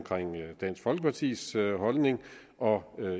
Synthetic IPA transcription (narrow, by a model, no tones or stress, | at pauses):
mkʰʁeŋ̰d̥ɛ̰ːnsɡ̥fɒ̽lɡ̥əpʰɑt͡sʰḭːsɦɒ̽lne̝ŋ | ɒ̽ø